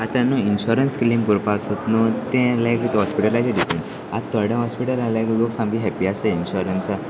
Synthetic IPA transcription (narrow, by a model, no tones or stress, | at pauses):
at̪anːũinɕuɾənsklimpuɾpasot̪nut̪ẽlekit̪ɦɔspiʈəlad͡ʑeɖipen | at̪əɽẽɦɔspiʈəlalẽkloksãmɡiɦɛpiaseinɕuɾənsa